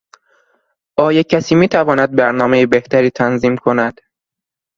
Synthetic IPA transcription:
ʔɒːjecʰæsiːmiːt̪ʰævɒːnæd̪̚bæɾnɒːmejebeht̪ʰæɾiːt̪ʰænziːmkʰo̞næd̪̥

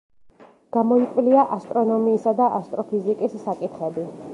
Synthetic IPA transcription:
ɡ̥amɔikʼvliaʔast̪ʼɾɔnɔmiːsad̪aʔast̪ʼɾɔpʰizikʼisːakʼit̪χɛbi

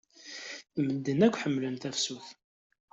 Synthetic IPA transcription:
θməd̪ːənækʷːħəmːlənt̪æfsuθ

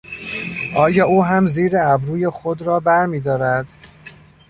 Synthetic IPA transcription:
ʔɒːjɒːʔuːɦæmziːɾeæbɾuːjexod̪ɾɒːbæɾmiːd̪ɒːɾæd̪̥

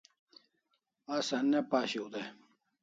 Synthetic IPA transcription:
asɐnːepaːɕiud̪e

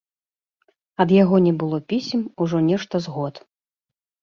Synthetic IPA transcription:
ɐd̪jaɣɔnʲɛbɨlˠɔpʲisʲmuʐɔnʲɛʂt̪ɐzɣɔt̪

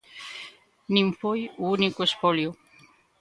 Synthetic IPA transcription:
niɱfojuunikuespoljo

